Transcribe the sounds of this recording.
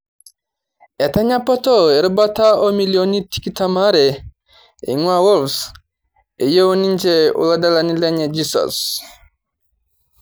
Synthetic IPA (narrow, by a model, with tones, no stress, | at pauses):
ɛ˨ta˦ɲa˦pɔ˦tɔ˦e˨ɾba˦ta˦o˦mi˨ljoni˦ti̥˦ki˦ta˦ma˦ɾɛ | ḭ˨ŋwa˦wo˦ls | e˨jo˦o˦ni˦ɲd͡ʒe˦ṵ˨la˦da˦lani˦lɛ˦ɲɛ˨d͡ʒisɔ̰˨s